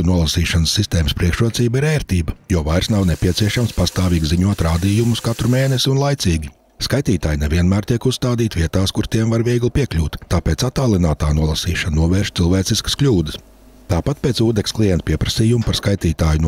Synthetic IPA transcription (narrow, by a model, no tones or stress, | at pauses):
nuɔlˠasiːʃansːist̪eːməspɾiɛkʃɾuɔt̪siːbɐiɾɛːɾt̪iːbɐjuɔvajɾsnawnepʲiɛt̪siɛʃamspast̪aːvʲiːɡziɲuɔt̪ɾaːd̪iːjumuskat̪ɾumeːnesiunlˠajt̪siːɡʲi | skajt̪iːt̪aːjnevʲiɛnmæːɾt̪ʲiɛkusst̪aːd̪iːt̪viɛt̪aːskuɾt̪iɛmvaɾvʲiɛɡlˠpʲiɛklʲuːt̪ːaːpeːtsat̪aːlˠinaːt̪aːnuɔlˠasiːʃannuɔvɛːɾʃt̪silˠveːt̪siskə̥skʎʲuːd̪əs | t̪aːpat̪̚peːt̪suːd̪eksklˠijɛnt̪piɛpɾɐsiːjumupaɾskajt̪iːt̪aːjun